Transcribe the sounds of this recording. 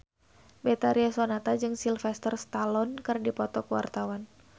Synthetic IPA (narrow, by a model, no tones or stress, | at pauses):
bet̪aɾiasonat̪ad͡ʒɨŋsilfɛst̪ərst̪alɔnkɨrdipɔt̪ɔkəwa̰rt̪awan